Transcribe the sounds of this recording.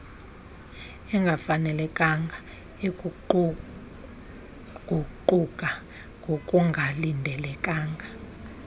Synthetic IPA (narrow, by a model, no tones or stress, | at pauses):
ɛŋɡʱafanɛlɛkʼaŋɡʱa | e | ɡ̥ʱuǃukʼa | ŋɡʱokʼuŋɡʱalindʱɛlɛkʼaːŋɡʱa